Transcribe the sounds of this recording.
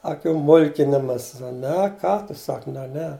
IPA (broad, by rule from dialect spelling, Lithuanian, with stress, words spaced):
ɐˈkʲuː ˈmʊlʲkʲɪnʲɪmɐs ˈnʲɛ ˈkɑː tʊ ˈsɐk nʲɛ ˈnʲɛ